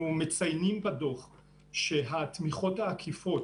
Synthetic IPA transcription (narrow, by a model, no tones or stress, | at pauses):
umet͡sajnimbado̞χ | ʃeɦat̪miχo̞thaːkʰifo̞t